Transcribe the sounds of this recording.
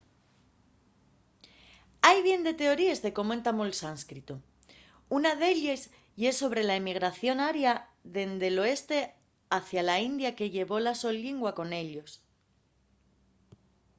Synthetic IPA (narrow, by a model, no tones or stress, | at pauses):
ajβje̞nd̪e̞t̪e̞o̞ɾie̞zðe̞ko̞moent̪amoelsanskɾit̪o | unaðe̞ʎez | je̞sːo̞β̞ɾe̞laemiɣ̞ɾaθjo̞naɾjaðe̞nd̪e̞lo̞e̞st̪e̞ | aθjalaind̪jake̞ʝe̞βo̞laso̞lːiŋɡwako̞ne̞ʎo̞s